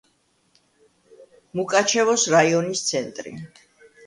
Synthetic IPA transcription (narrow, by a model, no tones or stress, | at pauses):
mukʼat͡ʃʰɛvɔsɾaiɔnist̪sʰɛnt̪ʼɾḭ